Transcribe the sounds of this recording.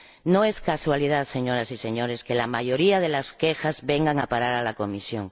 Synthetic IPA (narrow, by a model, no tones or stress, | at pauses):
no̞e̞skaswalið̞aðse̞ɲo̞ɾasise̞ɲo̞ɾe̞ske̞lamaʝo̞ɾiaðe̞laske̞xazβe̞ŋɡaŋapaɾaɾalako̞misjo̞̰ŋ